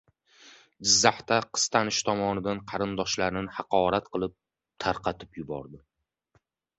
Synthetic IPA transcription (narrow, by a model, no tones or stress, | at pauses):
d͡ʒɪzːaht̪aqʰɨ̥st̪ʰanɪʃt̪ʰɒmɒnɪd̪anqʰɑɾɪnd̪ɒʃlaɾɪnɪhɑqʰɒɾat̪qɨlˠɪp̚ | t̪ʰaɾqʰɑt̪ʰɪ̥pjʊbɒ̰ɾd̪ɪ